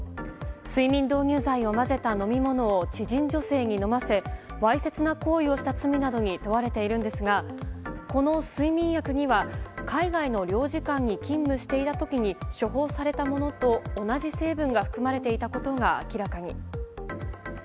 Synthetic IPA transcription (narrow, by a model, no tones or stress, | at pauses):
sɨimʲĩnd̪o̞ːɲʲɨːzaio̞maze̞t̪ano̞mʲimo̞no̞ːt͡ɕiʑĩɲ̟d͡ʑo̞se̞ːɲ̟ino̞mase̞βaise̞t͡sɨnako̞ːio̞ɕi̥t̪at͡sɨmʲinad̪o̞ɲ̟it̪o̞βaɾe̞t̪e̞iɾɯ̟̃nd̪e̞sɨɡa | ko̞no̞sɨimʲĩɰ̃jakɯ̟ɲ̟iβakaiɡaino̞ɾʲo̞ːʑikãɲ̟ːikʲĩmːɯ̟ɕi̥t̪e̞it̪at̪o̞kʲiɲ̟iɕo̞ɦo̞ːsaɾe̞t̪amo̞no̞t̪o̞ːnaʑise̞ːbɯ̟̃ŋɡaɸɯ̟̥kɯ̟maɾe̞t̪e̞it̪ako̞t̪o̞ɡaa̰kʲiɾakaɲ̟ḭ